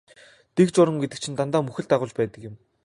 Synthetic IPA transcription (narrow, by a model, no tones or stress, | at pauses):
t̪ekt͡ɕʊɾə̆ŋɡet̪ɘ̆k̚t͡ɕʰĭnt̪ant̪aːmɵxɘ̆ɮt̪aʁʊːt͡ɕpæːt̪ə̆kjɪ̆m